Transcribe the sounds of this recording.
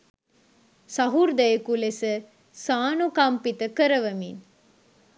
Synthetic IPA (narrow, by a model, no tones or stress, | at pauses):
sɐɦuɾd̪ɐjekulesə | saːnukɐmpit̪əkəɾəʋɐmin